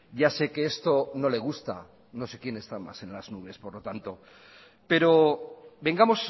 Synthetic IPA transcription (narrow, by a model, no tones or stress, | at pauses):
ʝase̞ke̞est̪o̞no̞le̞ɣ̞ust̪a̰ | no̞se̞kje̞ne̞st̪ama̰se̞nlaznuβ̞e̞spo̞ɾlo̞t̪ant̪o̞ | pe̞ɾo̞be̞ŋɡamo̞s